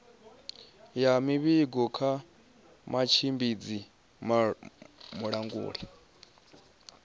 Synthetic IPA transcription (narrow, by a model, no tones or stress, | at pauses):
jamiβiɡɔkʰa | mat͡ʃʰimbid͡zi | muɺaŋɡṵːɺi